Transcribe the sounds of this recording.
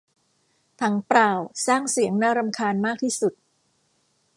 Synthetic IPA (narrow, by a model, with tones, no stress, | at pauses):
t̪ʰa˦ŋpɾaː˨˩wsaː˥˩ŋsi˩˦əŋnaː˧˥˩ɾa˧mkʰaː˧nmaː˥˩k̚t̪ʰiː˥˩su˨˩t̪̚